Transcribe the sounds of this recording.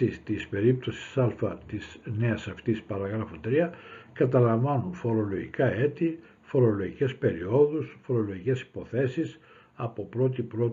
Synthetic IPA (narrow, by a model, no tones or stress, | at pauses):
ist̪ispe̞ɾip̚t̪o̞si̥sɐlfɐt̪isne̞ɐsɐft̪ispɐɾɐɣɾɐfot̪ɾiɐkɐt̪ɐlɐɱvɐnunfo̞ɾo̞loʝikɐe̞t̪i | fo̞ɾo̞lo̞ʝice̞spe̞ɾio̞ðusfo̞ɾo̞lo̞ʝice̞si̥po̞θe̞sis | ɐpo̞pɾo̞t̪ipɾo